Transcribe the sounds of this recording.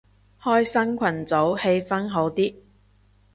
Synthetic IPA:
hɔː˥jsɐ˥nkʷʰɐ˨˩nt͡so˨˥whe˧jfɐ˥nɦo˨˥wt̪iː˥

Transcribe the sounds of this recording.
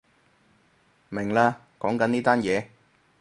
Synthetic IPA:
mɪ˨˩ŋlaː˧ | kɔː˨˥ŋkɐ˨˥niː˥t̪aː˥njɛː˨˧

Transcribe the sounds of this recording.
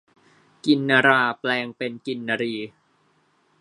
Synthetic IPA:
ki˧nːaː˧ɾaː˧plɛː˧ŋpe˧nki˧nːa˧ɾiː˧˩

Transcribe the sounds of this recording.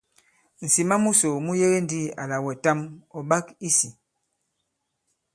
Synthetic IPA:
n̩˨si˨ma˦mu˦so˨mu˦je˦ɣe˦n˦di˦˨a˨la˨wɛ˨ta˦mɔ˨ɓa˦ki˦si˨

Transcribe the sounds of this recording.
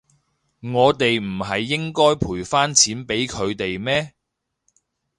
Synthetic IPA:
ŋɔː˨˧t̪e˨jm̩˨˩ɦɐ˨jːɪ˥ŋkɔː˥jpʰuː˨˩jfaː˥nt͡sʰiː˨˥npe˨˥jkʰɵ˨˧ɥt̪e˨jmɛː˥

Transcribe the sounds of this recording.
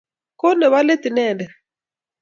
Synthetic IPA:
ko˦nɛ˨wa˦le˦ti˨nɛ˦˨ndɛ˨

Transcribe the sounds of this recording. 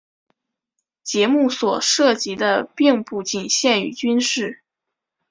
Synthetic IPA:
t͡ɕjɛ˧˥mu˥˩swɔ˨˩ʂɤ˥˩t͡ɕi˧˥d̪ə˧pi˥˧ŋpu˥˩t͡ɕi˨˩nɕjɛ˥˩ny̰˨˩t͡ɕy˥nʂɻ̩˥˩

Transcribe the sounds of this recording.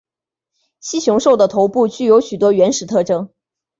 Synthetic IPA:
ɕi˥ɕjʊ˧˥ŋʂo˥˩ʊd̪ə˩t̪ʰo˧˥ʊpu˥˧t͡ɕy˥˩jo˧˥ʊɕy˨˩t̪wɔ˥ɥɛ˧˥nʂɻ̩˨˩t̪ʰɤ˥˩ʈ͡ʂɤ˥ŋ

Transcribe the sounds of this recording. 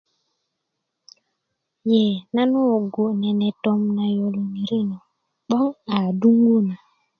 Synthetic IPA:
je˨na˦no˦˨ɡo˨nɛ˨nɛ˨tɔ˦mna˨jo˨lo˨mi˨ɾi˦no˨ | ɓɔ˦ŋa˨du˦ŋɡu˦na˨

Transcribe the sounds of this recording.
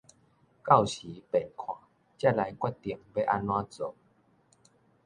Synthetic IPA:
ka˥˨wɕiː˨˦pe˨˩nkʰwa̰˨˦ | t͡ɕa˥˩˨la˨˦jkwa˥˩jt̪i˨˩əŋbe˧˦ʔa˧nwã˧t͡so˨˦

